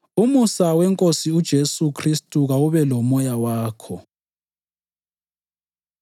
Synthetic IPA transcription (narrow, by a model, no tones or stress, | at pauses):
umusawɛŋkʼosiud̥ʒ̥ʱesukʰristʼuɣawuβɛlɔmɔjawaːkʰɔ